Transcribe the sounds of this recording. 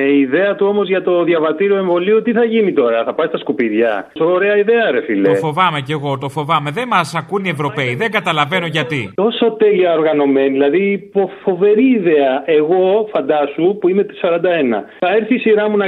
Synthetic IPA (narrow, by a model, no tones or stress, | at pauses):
eiðe̞ɐt̪uo̞mo̞zʝɐt̪o̞ðjʝɐvɐt̪iɾioe̞ɱvo̞liot̪iθɐʝinit̪o̞ɾɐθɐpɐst̪ɐskupiðʝɐ̰soːɾe̞ɐiðe̞ɐɾefilet̪fo̞vɐmece̞ɣo̞t̪o̞fo̞vɐme̞ðemɐsɐkunievɾo̞pe̞iðeŋɡɐt̪ɐlɐve̞no̞ʝɐt̪it̪o̞so̞t̪e̞liɐo̞ɾɣɐno̞me̞niðilɐðiːpofo̞ve̞ɾiːðe̞ɐʔe̞ɣo̞fɐnd̪ɐsupuime̞t̪i̥sɐɾɐnd̪ɐe̞nɐ̰θɐe̞ɾθiːsiɾɐmunɐ